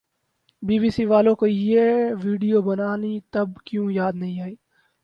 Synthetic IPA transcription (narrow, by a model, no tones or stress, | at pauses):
biːbiːsiʋaːlõkojeʋiːɖijoːbɐnaːnit̪ɐbkjũːjaːd̪nɐɦĩaːiː